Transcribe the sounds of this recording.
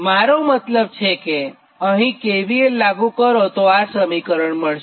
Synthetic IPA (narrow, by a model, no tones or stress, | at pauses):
maɾomət̪ləb̚t͡ʃʰeke | əɦĩkeʋielaɡũkəɾot̪oasəmikəɾəɳməɭʃ